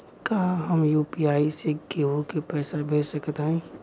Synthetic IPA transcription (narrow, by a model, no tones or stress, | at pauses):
kaːɦɐmjuːpiaːiseɡeɦokepɛːsabʱeːsɐkt̪ɦɛ̃ː